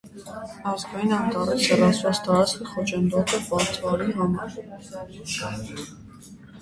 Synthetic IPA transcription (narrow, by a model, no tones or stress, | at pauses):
ɑzɡɑjinɑnt̪ɑɾɛt͡səɾɑsvɑsʰt̪ɑɾɑt͡sχiχɔt͡ʃʰɛnd̪ɔt̪ʰɛpɑɾt͡s̪ʰvɑliɦɑmɑɾ